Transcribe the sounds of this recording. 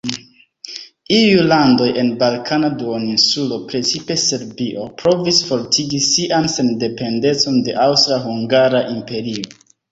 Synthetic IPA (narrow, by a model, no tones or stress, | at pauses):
ijulando̞je̞nbalkʰanaduoninsulo̞pɾe̞t͡sipe̞se̞ɾbiʔo̞pɾo̞visfo̞ɾtʰiɡisiʔanse̞nde̞pe̞nde̞t͡so̞nde̞ʔawstɾaɦuŋɡaɾaʔimpe̞ɾio